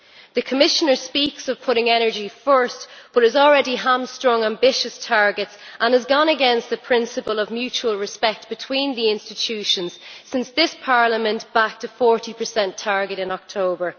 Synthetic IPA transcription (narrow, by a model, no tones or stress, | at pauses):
ðəkʰəmɪʃənə˞spiksəv̥pʰʊɾɪ̃ŋɛnə˞d͡ʒifɜ˞stb̥ʌɾɨzɔlˠɹɛɾiɦãmstɹ̥ɔ̃ŋãmbɪʃəstʰaɹɡɪtsʔə̃nəzɡɔ̃nəɡɛ̃nst̪əpʰɹ̥ɪ̃nsəpəlˠəvmjʉt͡ʃuəlˠɹɪspɛk̚t̚b̥ɪtʰw̥ĩnðiɪ̃nstɪt͡ʃʰʉʃə̃nz̥sɪ̃nsðɪspʰaɹləmə̃nb̥ak̚tʰəfɔɹɾipʰə˞sɛ̃ntʰaɹɡɨɾɪ̃nɔk̚tʰoʊbə˞